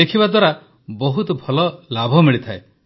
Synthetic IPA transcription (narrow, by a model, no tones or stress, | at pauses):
ekʰibad̪waɾa | bɔɦut̪ɔbʱɔlɔlabʱɔmiɭit̪ʰae